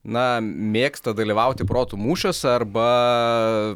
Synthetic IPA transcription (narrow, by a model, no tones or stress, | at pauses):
nɐmʲeːkst̪ɐd̪ɐlʲiʋɐʊt̪ʲɪpɾoːt̪umuːʃʲosɐrbɐ